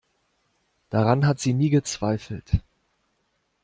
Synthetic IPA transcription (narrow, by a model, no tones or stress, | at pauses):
d̥aʁanɦatz̥iːniːɡət͡sv̥aɪfl̩t